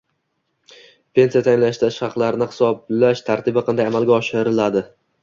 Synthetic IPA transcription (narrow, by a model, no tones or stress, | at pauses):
pʰe̞nsijat̪ʰajɪnlaʃt̪ʰaɪʃhɑqlˠaɾɪnɪhɪ̥sɒblaʃt̪ʰaɾt̪ʰɪbɪqʰɑnd̪ajamalˠɡʲaɒʃɪɾɪlad̪ɪ